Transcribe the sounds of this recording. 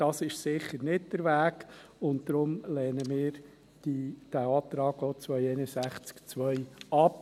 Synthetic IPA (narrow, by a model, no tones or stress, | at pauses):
d̥ɑsɪʃsɪχəɾnɪt̚d̥əɾʋæːkʊnt̚d̥ɾʊmlɛːnəmɪːɾ | d̥id̥æɑːt̪ɾɑːɡ̥oːt͡sʋœʏɛɪnəsæχt͡skt͡sʋœʏɑp